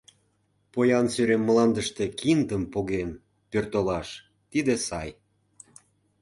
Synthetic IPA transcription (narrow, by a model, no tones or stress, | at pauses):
pojɑnsøɾemːəlɑnd̪əʃt̪e̽kʰind̪əmpoɣem | pørt̪olɑʃ | t̪id̪esɑj